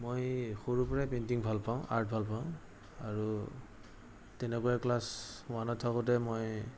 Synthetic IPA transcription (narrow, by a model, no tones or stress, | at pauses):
mojxoɹupɔɹɛpentiŋbʱalpaʊ̃ʔa̰ɹt̚bʱalpaʊ̃ | aɹu | tɛnɛkɔjaklasʊanɔtʰakɔtɛmoj